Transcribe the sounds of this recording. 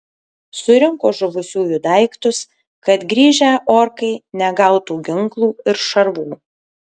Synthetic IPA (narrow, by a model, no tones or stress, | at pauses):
sʊɾʲɪŋkoːʒʊʋʊsʲuːjʊd̪ɐɪkt̪ʊs | kɐt̪ɡɾʲiːʒʲæːʔoːɾkɐɪnʲɛɡɐʊt̪uːɡʲɪŋklˠuːɪɾʃɐɾbuː